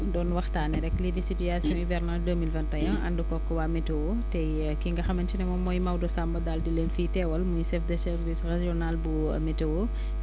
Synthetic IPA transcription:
dɔːnwɐxtaːnɛɾɛkːlidisityasjɔ̃ivɛrnardəmilvɛntɐjɐ̃ʔɐ̰ndəkɔkːɔwaːmɛtɛwo | tɛ | kiŋɡɐxɐmɐntinɛmɔmɔːjmawdɔsambɐdaldileːnfiːtɛwɐlmujsɛfdəsɛɾvisreʒiɔnalbṵ | mɛtɛwo

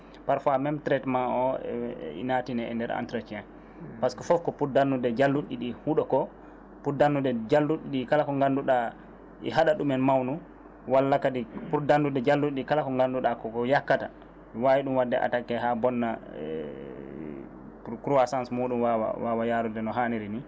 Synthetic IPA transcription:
paɾfamɛmtɾɛtmaʔɔ | ḭnatinɛɛ̰ndɛɾa̰ntɾat͡ʃiɛn | paskɔfɔfkɔpuɾdanːudɛd͡ʒalːuɗiɗihuɗɔkɔ | pudanːudɛd͡ʒalːuɗiɗikalakɔŋɡanduɗa | ḭɦaɗaɗumɛnmawnu | walːakaɗipuɾdandudɛd͡ʒalːuɗiɗikalakɔŋɡanduɗakɔkɔjakːata | wawiɗumwadːɛʔa̰takːɛɦabɔnːa̰ | kɾuasãnsmoːɗumwawa̰wawajaːɾudɛnɔɦaniɾini

